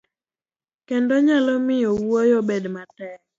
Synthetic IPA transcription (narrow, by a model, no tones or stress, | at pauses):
kendɔɲalɔmɪjɔwɔjɔbedmatɛk